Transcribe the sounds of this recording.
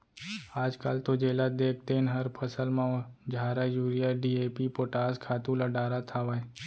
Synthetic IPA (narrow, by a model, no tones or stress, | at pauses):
aːd͡ʒkaːlt̪od͡ʒeːlad̪eːk̚ʰt̪enɦəɾpʰəsəlmãd͡ʒʱaːɾajuːɾijaɖiːeːpipoːʈaːskʰaːt̪ũləɖaːɾat̪ʰaːʋaːe